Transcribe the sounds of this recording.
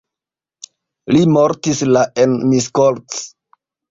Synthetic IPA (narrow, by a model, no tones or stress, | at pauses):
limoɾtislaʔenmiskoɾts